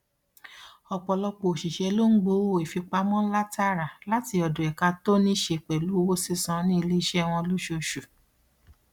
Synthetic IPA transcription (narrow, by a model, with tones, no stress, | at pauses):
ɔ˧k͡pɔ˧lɔ˧k͡po˨ʃi˨ʃɛ˧lo˦ŋ̩˦ɡ͡bo˧˦wo˦˨i˨fi˧k͡pa˧mɔ̃˦n̩˦la˦ta˦ɾa˨la˦ti˧ɔ˧dõ˨ɛ˨ka˧to˦nĩ˦ʃe˧˨k͡pɛ˨lu˨˦wo˦si˦sã˨˧˦nĩ˦i˧li˦i˦˧ʃɛ˦˧w̃ɔ̃˧lu˦ʃo˧ʃu˨